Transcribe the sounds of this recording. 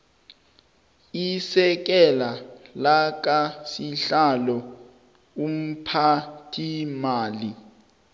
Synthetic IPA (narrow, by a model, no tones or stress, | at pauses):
isɛk̬ɛlalak̬ʼasiɬalɔ | um̩pʰatʰimaːli